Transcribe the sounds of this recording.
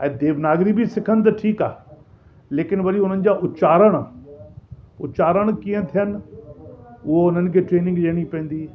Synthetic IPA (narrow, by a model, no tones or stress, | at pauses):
ɛ̃ːd̪eːʋnaːɡɾibʱisɪkʰənɪ̆t̪̬ɐʈʰiːka̰ː | leːkɪnʋɐɾiʊn̤ənɪ̆d͡ʑaːʔʊt͡ɕaːɾəɽ̃ | ʊ̰t͡ɕaːɾəɽ̃kiɦə̃t̪ʰijənɪ̆ | ʊɦoʊn̤ənɪ̆kʰeːʈɾeːnɪ̃ŋɡliəɽ̃ipɐ̃ːn̆d̪iː